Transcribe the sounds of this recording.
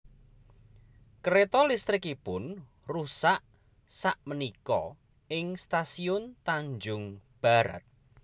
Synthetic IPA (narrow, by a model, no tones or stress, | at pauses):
kəɾet̪ɔlist̪ɾɪkipʊn | rusaʔ | saʔmənikɔ | ɪŋst̪asiʊnt̪aɲd͡ʒʊŋb̥a̤ɾa̰t̪̚